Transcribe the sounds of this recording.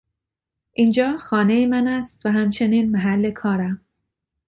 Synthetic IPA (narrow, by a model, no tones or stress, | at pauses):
ʔiːnd͡ʒɒːxɒːne̞jemænæst̪væɦæmt͡ʃʰe̞niːnmæɦælːe̞kʰɒːɾæm